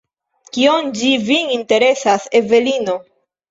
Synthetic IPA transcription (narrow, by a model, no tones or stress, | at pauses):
kio̞nd͡ʒivininte̞ɾe̞saseve̞lino̞